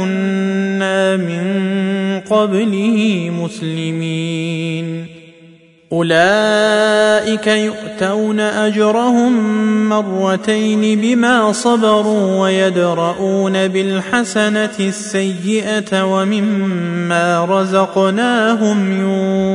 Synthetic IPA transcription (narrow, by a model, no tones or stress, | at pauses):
ʊnːaːmɪn | qɑblɪhiːmʊslɪmiːn | ʔʊlaː | ʔɪkajʊʔt̪awnaʔad͡ʒɾˤɑhʊmːɑrˤːɑt̪ajnɪbɪmaːsˤɑbɑɾˤuːwajad̪ɾˤɑʔuːnabɪlħasanatɪsːajːɪʔat̪wamɪmːaːɾˤɑzɑqnaːɦʊmjuː